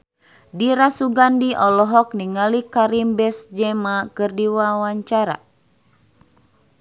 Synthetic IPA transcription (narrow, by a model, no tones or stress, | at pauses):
diɾasuɡandiʔɔlɔɦɔk̚niŋalikaɾimbɛsd͡ʒɛmakɨrdiwawaɲt͡ʃaɾa̰